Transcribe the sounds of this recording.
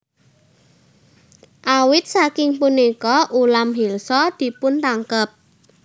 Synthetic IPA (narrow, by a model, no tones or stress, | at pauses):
ʔawɪt̪̚sakɪŋpunikɔʔulamɦilsɔd̪̥i̤pʊnt̪aŋkəp̚